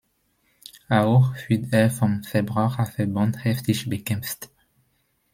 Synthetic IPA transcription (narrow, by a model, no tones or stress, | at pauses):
awʁfyd̪ɛɐfɔmfɛbʁaʁafɛbɑ̃nthɛftiʃbəkɛ̃mst